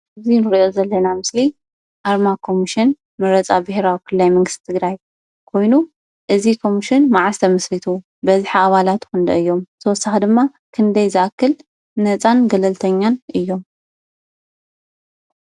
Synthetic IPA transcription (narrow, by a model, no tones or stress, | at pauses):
ɨzinɨɾʔo̞zɐlːɐnamɨsli | ʔaɾmakʰo̞miʃɪn | mɐɾɐt͡sʼabɨheɾawikʰɨlːajmɐŋɡɨst̪i̥t̪ʰɨɡɾaj | kʰo̞jnu | ʔɨzikʰo̞miʃɪnmaʕast̪ʰɐmɐsɾit̪ʰu | bɐzħiaβalat̪kɨnd̪ɐɨjːo̞mt̪ʰɐwɔsːaxid̪ɨmːa | kʰɨnd̪ɐjzɨʔakːɨl | nɐt͡sʼanɡɐlɐlt̪ʰɐɲːanʔɨjːo̞m